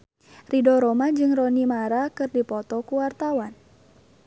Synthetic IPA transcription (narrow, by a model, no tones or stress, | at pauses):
ridɔɾɔmad͡ʒɨŋrɔnimaɾakɨrdipɔt̪ɔkuwart̪awan